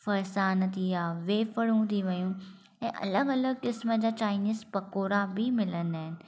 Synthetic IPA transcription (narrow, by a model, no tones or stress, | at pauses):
fɐɾsaːnt̪ʰijaːʋeːfəɽũt̪iʋɐjũ | ɛ̃ːʔɐ̰ləɡɐləɡ̚kɪsməd͡ʑaːt͡ɕaːɪniːzpɐkoːɾabʱimɪlə̃nd̪aːɦɪnɪ̆